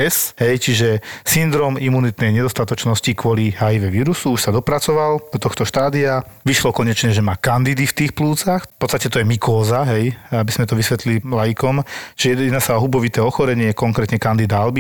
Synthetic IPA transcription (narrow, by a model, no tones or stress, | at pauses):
ɛsɦɛjt͡ʃiʒɛsind̪ɾɔːmimunit̪nɛjɲɛd̪ɔst̪at̪ɔt͡ʃnɔscikʋʊɔliɦajiʋɛʋiːɾusuuʃsad̪ɔpɾat͡sɔʋald̪ɔt̪ɔxt̪ɔʃt̪aːd̪iaʋiʃlɔkɔɲɛt͡ʃɲɛʒɛmaːkand̪id̪ift̪iːxpluːt͡saxpɔtt͡sst̪acɛt̪ɔjɛmikɔːzaɦɛjabizmɛt̪ɔʋisʋɛt̪lililajikɔmʒ̥ɛjɛjɛd̪nasaɔɦubɔʋit̪ɛːɔxɔɾɛɲɪɛkɔŋkɾɛːt̪ɲɛkand̪id̪aalbi